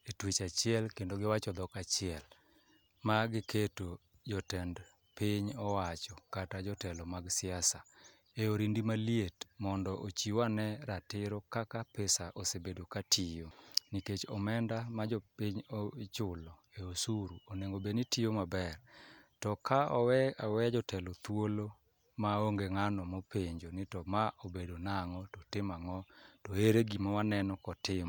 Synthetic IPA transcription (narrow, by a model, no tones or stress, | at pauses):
etwit͡ʃat͡ʃɪɛlkendoɡɪwat͡ʃɔd̪ɔkat͡ʃɪɛl | maɡɪketo | d͡ʒɔtɛnd | piɲɔwat͡ʃɔkatad͡ʒɔtɛlɔmaɡsɪasa | eoɾindimalietmɔndɔʔot͡ʃiwanɛɾatɪɾokakapɛsaʔosebedokatʰijoniket͡ʃɔmɛndamad͡ʒopiɲot͡ʃʊlɔ | eosuɾuoneŋobenɪtijomabɛrtɔkʰaɔwɛawɛd͡ʒɔtʰɛlot̪wolo | maoŋɡeŋanɔmopʰeɲd͡ʒonɪtɔmaʔobedonaŋɔtɔtɪmaŋɔtɔeɾeɡimawanɛnɔkɔtɪma